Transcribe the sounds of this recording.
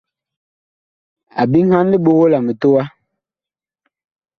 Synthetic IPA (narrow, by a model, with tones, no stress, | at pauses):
a̰˨bi˦ŋ̩˦ha˦n˦li˦ɓo˦ɣo˦la˨mə˨to˦wa˦